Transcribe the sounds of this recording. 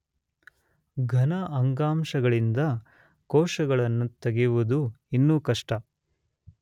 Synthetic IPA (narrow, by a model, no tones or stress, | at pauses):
ɡʱɐnɐʔɐŋɡaːmʃɐɡɐɭind̪ɐ | kɔːʂɐɡɐɭɐnːut̪ɐɡiʋud̪u | inːuːkɐʂʈɐ